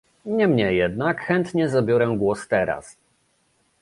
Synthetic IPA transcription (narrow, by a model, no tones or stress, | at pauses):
ɲɛmɲɛjɛd̪nakxɛnt̪ɲɛzabʲjɔɾɛɡwɔst̪ɛɾa̰s